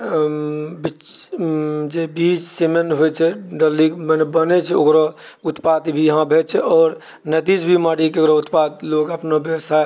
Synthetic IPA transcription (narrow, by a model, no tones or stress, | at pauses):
bi | d͡ʒebit͡ʃsemenɦojt͡ʃʰɛɖəlikmənbənɛt͡ʃʰɛokɾo | ut̪pad̪bʱijəɦãbʱet͡ʃʰɛɔːɾ | nət̪id͡ʒbʱimaɽikeokɾout̪pad̪̚loɡəpnobjəəsa